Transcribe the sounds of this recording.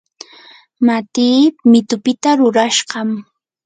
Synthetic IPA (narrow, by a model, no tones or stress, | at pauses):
mat̪iːpmɪt̪ʊpɪt̪aɾʊɾaʃɢɑm